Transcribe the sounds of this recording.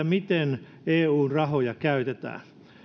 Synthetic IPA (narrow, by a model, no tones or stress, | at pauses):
æmit̪en | eːuːnrɑhojɑkæyt̪et̪æ̰ː